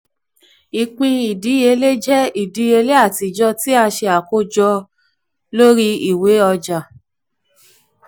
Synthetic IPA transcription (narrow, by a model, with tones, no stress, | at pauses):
i˨k͡pĩ˧i˨di˨˦e˧le˦d͡ʒɛ˦i˦˨di˨˦e˧le˦a˦˨ti˨˧d͡ʒɔ˧ti˦a˧ʃe˧a˨ko˦d͡ʒɔ˧ | lo˦ɾi˦i˦˨we˨˦ɔ˧d͡ʒa˨